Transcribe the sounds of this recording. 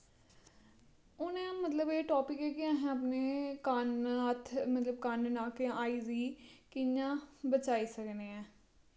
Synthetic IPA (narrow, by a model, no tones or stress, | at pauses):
ʊnẽːmət̪ləbeːʈɔːpɪkekɪãːɦɛ̃ːəpneːkanət̪ʰmət̪ləbkannaːkeaːiːziːkɪjãːbət͡ʃaːiːsəkneːɛ̃ː